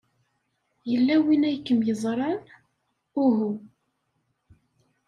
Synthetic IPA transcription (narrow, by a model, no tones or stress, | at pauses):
jəlːæwinæjkːəmjəzˤɾˤɑn | ʊɦu